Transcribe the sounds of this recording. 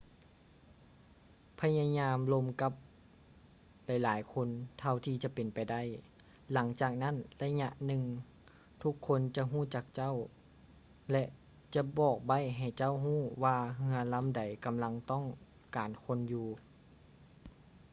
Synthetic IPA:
pʰa˧ja˧ɲaː˧mlo˧mka˧˦p̚ | la˧˩jlaː˨˦jkʰo˧˥˨nt̪ʰa˧wt̪ʰiː˧t͡ɕa˧˦pe˨˩npa˨˩jda˧˥˨j | la˨˦ŋt͡ɕaː˨˩k̚na˦˥˨nla˧ɲa˧ʔnɯ˧ŋ | t̪ʰu˧˥kʰːo˧nt͡ɕa˧ɦuː˥˨t͡ɕa˧k̚t͡ɕa˥˨w | lɛ˧ʔ | t͡ɕa˧˦bɔː˨˩k̚ba˧˥˩jɦa˨˩jt͡ɕa˥˨wɦuː˥˩waː˧ɦɯ˧ɐla˧˥˨mda˨˩jka˨mla˧˥ŋt̪ɔ˥˨ŋ | kaː˨˩nkʰo˧˥˨njuː˧

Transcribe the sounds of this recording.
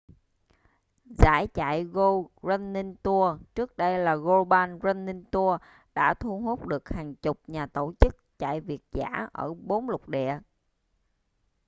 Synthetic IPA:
zaː˧˩jt͡ɕa̰ː˧˨jɣo˧zə˧nːi˧nt̪u˧ət͡ɕɨ˦˥ək̚ɗə˧jlaː˨˩ɣo˧ɓaː˧nzə˧nːi˧nt̪u˧ə | ɗa̰ː˧˥t̪ʰu˧hu˦˥k͡p̚ɗɨ˨˩ək̚haː˨˩ŋt͡ɕʊ˨˩k͡p̚ɲaː˨˩t̪o˧˩t͡ɕɨ˦˥k̚t͡ɕa̰ː˧˨jvi˨˩ət̚za̰ː˧˥ʔəː˧˩ɓo˨˦nlʊ˨˩k͡p̚ɗɛ̰˧˨˩ə

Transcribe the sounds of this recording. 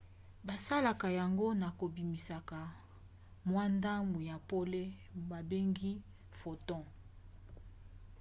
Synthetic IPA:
ba˨sa˦la˨ka˨ja˨ŋɡo˦na˨ko˨bi˨mi˨sa˨ka˨ | mwa˦nda˦mu˨ja˨po˦le˦ | ba˨be˦ŋɡi˦ | fo˨tɔ̃˦

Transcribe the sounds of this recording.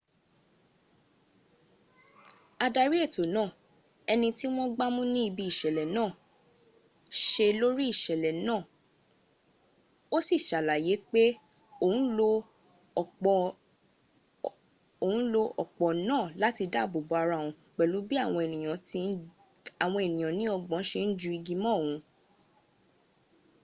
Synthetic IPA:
a˧da˧ɾi˦e˦˨to˨nãː˦˨ | ɛ˧nĩ˧ti˦w̃ɔ̃˦ɡ͡ba˦mũ˦nĩ˦i˧bi˧i˦˨ʃɛ˨lɛ˨nãː˦˨ | ʃe˧lo˦ɾi˦i˦˨ʃɛ˨lɛ˨nãː˦˨ | o˦si˦˨ʃa˨la˨je˨˦k͡pe˦ | o˦˨ũ˨˦lo˧˨ | k͡p | o˨ũ˦lo˧ɔ˨k͡pɔ˨nãː˦˨la˨˦ti˧da˦˨bo˨bo˨a˧ɾã˧˦˨ũ˨˧ | k͡pɛ˨lu˨˦bi˦a˦˨w̃ɔ̃˧e˨nĩ˨j̃ã˨ti˧˦ | a˨w̃ɔ̃˧e˨nĩ˨j̃ã˨nĩ˨˦ɔ˧ɡ͡bɔ̃˨˦ʃe˧n̩˦d͡ʒu˧i˧ɡi˧mɔ̃˦˨ũ˧

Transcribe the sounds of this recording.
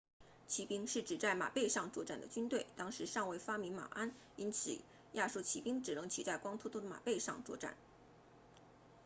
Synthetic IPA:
t͡ɕʰi˧˥pi˥ŋʂɻ̩˥˩ʈ͡ʂɻ̩˨˩t͡sa˥˩ɪma̰˨˩pe˥˧ɪʂɑ˥˧ŋt͡swɔ˥˧ʈ͡ʂa˥˩nd̪ə̰˩t͡ɕy˥nt̪we˥˩ɪt̪ɑ˥ŋʂɻ̩˧˥ʂɑ˥˧ŋwe˥˩ɪfa˥mi˧˥ŋma̰˨˩ʔa˥n | i˥nt͡s̩ʰ˨˩ | ja˥˧ʂu˥˩t͡ɕʰi˧˥pi˥ŋʈ͡ʂɻ̩˨˩nɤ˧˥ŋt͡ɕʰi˨˩t͡sa˥˩ɪkwɑ˥ŋt̪ʰu˥t̪ʰu˥d̪ə˧ma̰˨˩pe˥˧ɪʂɑ̰˥˧ŋt͡swɔ˥˧ʈ͡ʂa̰˥˩n

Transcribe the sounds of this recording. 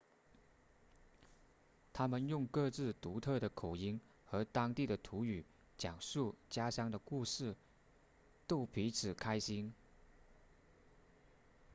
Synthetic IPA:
t̪ʰa˥mə˨njʊ˥˧ŋkɤ˥˧t͡sɹ̩˥˩t̪u˧˥t̪ʰɤ˥˩d̪ə˩kʰo˨˩ʊi˥ŋ | xɤ˧˥t̪ɑ˥ŋt̪i˥˩ɾə˩t̪ʰu˧˥y˨˩ | t͡ɕjɑ˨˩ŋʂu˥˩t͡ɕja˥ɕjɑ˥ŋd̪ə˨ku˥˧ʂɻ̩˥˩ | t̪o˥˩ʊpʰi˧˥t͡sʰɹ̩˨˩kʰa˥ɪɕi˥n

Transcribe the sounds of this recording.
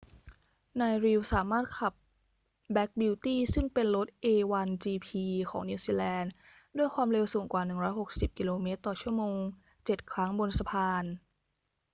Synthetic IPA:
naː˧jɾi˧wsaː˩˦maː˥˩t̪̚kʰa˨˩p̚ | bɛ˦˥k̚bi˧wt̪iː˥˩sɯ˥˩ŋpe˧nlo˦˥t̪̚ʔeː˧wa˧nt͡ɕiː˧pʰiː˧kʰɔ̰ː˩˦ŋni˧wsiː˧lɛː˧n | du˥˩əjkʰwaː˧mɾe˧wsu˨˩˦ŋkwaː˨˩nɯ˨˩ŋɾɔː˦˥jɦo˨˩k̚si˨˩p̚ki˧loː˧meː˦˥t̪ːɔː˨˩t͡ɕʰu˥˩əmoː˧ŋ | t͡ɕe˨˩t̪̚kʰɾa˦˥ŋbo˧nsa˧pʰaː˧n

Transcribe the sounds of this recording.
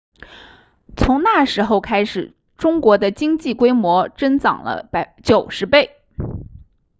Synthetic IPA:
t͡sʰʊ˧˥ŋna˥˩ʂɻ̩˧˥xo˥˧ʊkʰa˥ɪʂɻ̩˨˩ | ʈ͡ʂʊ˥ŋkwɔ˧˥d̪ə˧t͡ɕi˥ŋt͡ɕi˥˩kwe˥ɪmwɔ˧˥ʈ͡ʂə˥nt͡sɑ̰˨˩ŋlə̰˦pt͡ɕjo˨˩ʊʂɻ̩˧˥pe˥˩ɪ

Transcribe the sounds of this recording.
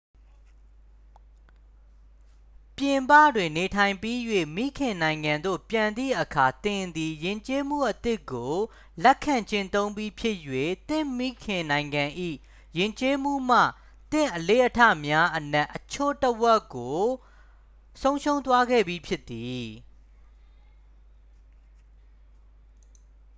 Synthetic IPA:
pjɪ̃˨mpä̰˦˨dwɪ̃˨ne˨tʰã˨ɪ̃mpi˦jwḛ˦˨mḭ˦˨kʰɪ̃˨nã˨ɪ̃ŋɡã˨nd̪o̰˦˨pjã˨nd̪ðḭ˦˨ʔəkʰa˨t̪ɪ̃˨nd̪i˨jɪ̃˨ɲt͡ɕe˦m̥ṵ˦˨ʔət̪ɪ˦˨kːo˨ | lɛ˦kʰːã˨ɲt͡ɕɪ̃˦˨nt̪õ˦ʊ̃mbi˦pʰjɪ˦ʔjwḛ˦˨t̪ɪ̃˦˨mi˦˨kʰɪ̃˨nã˨ɪ̃ŋɡã˨ʔḭ˦˨ | jɪ̃˨ɲt͡ɕe˦m̥ṵ˦˨m̥ä̰˦˨ | t̪ɪ̰̃˦˨ʔəle˦ʔətʰä̰˦˨mja˦ʔənɛ˦ʔːət͡ɕʰo̰˦˨təwɛ˦kːo˨ | sõ˦ʊ̃ʃõ˦ʊ̃nt̪̬wa˦ɡɛ̰˦˨bji˨˦pʰjɪ˦t̪ːi˨

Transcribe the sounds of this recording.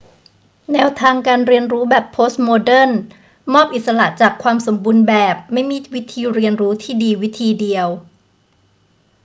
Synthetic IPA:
nɛː˧wt̪ʰaː˧ŋkaː˧nɾi˧ənɾuː˦˥bɛː˨˩pʰːoː˦˥st̪̚moː˧dɤ˥˩n | mɔː˥˩p̚ʔi˨˩t̪̚sa˧la˨˩ʔt͡ɕaː˨˩kʰwaː˧mso˩˦mbuː˧nbɛː˨˩p̚ma˥˩jmiː˧˥˩wi˦˥t̪ʰiː˧ɾi˧ənɾuː˦˥t̪ʰiː˥˩diː˧wi˦˥t̪ʰiː˧di˧əw

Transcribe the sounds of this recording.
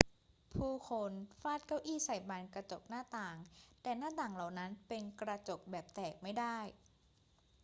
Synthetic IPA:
pʰuː˥˩kʰo˧nfaː˥˩t̪̚ka˦˥˩wʔiː˥˩sa˨˩jbaː˧nkɾa˧t͡ɕo˨˩k̚naː˥˩t̪aː˨˩ŋt̪ɛː˨˩naː˥˩t̪aː˨˩ŋla˨˩wna˦˥npe˧nkɾa˧t͡ɕo˨˩k̚bɛː˨˩p̚t̪ɛː˨˩k̚ma˥˩jdaː˥˩j

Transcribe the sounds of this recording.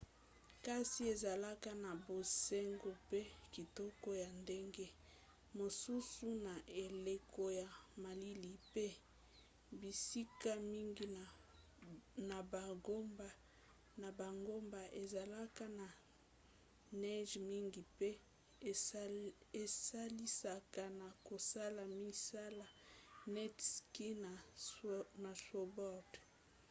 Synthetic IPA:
ka˦si˨˦e˨za˨la˦ka˦na˨bo˨se˦ŋɡo˦pe˦ki˨tɔ˦kɔ˦ja˨nde˦ŋɡe˦ | mo˨su˦su˦na˨ʔe˨le˨ko˦ja˨ma˨li˦li˨pe˦ | bi˨si˦ka˦mi˦ŋɡi˦ | na˨ba˨ɡo˦mba˦ | na˨ba˨ŋɡo˦mba˨ʔe˨za˨la˦ka˦na˨ | nɛ˦ʒmi˦ŋɡi˨pe˦ | e˨sa˦li˦sa˦ka˦na˨ko˨sa˦la˨mi˦sa˦la˨nɛ˦tski˦na˨ | na˨so˨bɔ˦˨t

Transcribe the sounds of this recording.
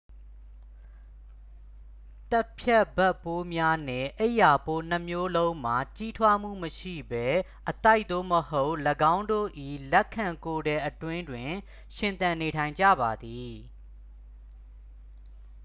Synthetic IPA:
t̪a˦pʰjɛ˦˨ʔbɛ˦pːo˦mja˦nɪ̃˨ʔə˦ɪʔja˨po˦n̥ə˦mjo˦lõ˦ʊ̃m̥a˨t͡ɕi˦tʰwa˦m̥ṵ˦˨məʃḭ˦˨bɛ˦ | ʔət̪a˦ɪʔ̪t̪o̰˦˨məho˦ʊʔləɡã˦ʊ̃ndo̰˦˨ʔḭ˦˨lɛ˦kʰːã˨ŋko˨ɾɛ˨ʔətwɪ̃˦ndwɪ̃˨ | ʃɪ̃˨nt̪ã˨ne˨tʰã˨ɪ̃ɲd͡ʑä̰˦˨ba˨d̪i˨

